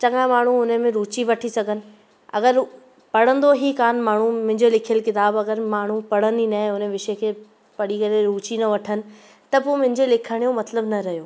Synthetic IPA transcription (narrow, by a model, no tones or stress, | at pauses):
t͡ɕɐŋãmaːɳ̤uʊnəmẽɾuːt͡ɕiʋɐʈʰisɐɡʱənɪ̆ | ɐ̰ɡəɾ | pɐɽ̤ə̃nd̪oɦikaːnmaːɳ̤umʊ̃ɦɪ̃ɲd͡ʑolɪkʰijəlkɪt̪aːbɐɡəɾmaːɳ̤upɐɽ̤əninaɪ̃ʊnəʋɪʃekʰeː | pɐɽikɐɾeɾuːt͡ɕinɐʋɐʈʰənɪ̆ | t̪ɐpomʊ̃ɦɪ̃ɲd͡ʑelɪkʰəɽ̃jõmɐt̪ləbnɐɾɐɦijoː